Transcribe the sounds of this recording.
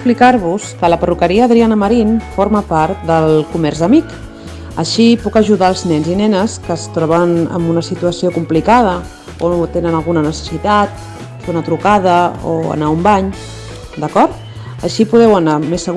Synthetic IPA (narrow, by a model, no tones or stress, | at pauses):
plikaɾβ̞uskələpərukəɾiəːðɾianəməɾinfoɾməpaɾt̪̚d̪əlˠkumɛrzəmik | əʃipukəʒuðaːlˠznɛnzinɛnəskəst̪ɾɔβənə̰mbunəsit̪uəsiokumplikað̞ə | ot̪enənəlˠɣunənəsə̥sit̪at̪̚ | unət̪ɾukaðəo̰ə̰naumbaɲ | d̪əkɔɾt̪ | əʃipuðɛwənamesːəɣ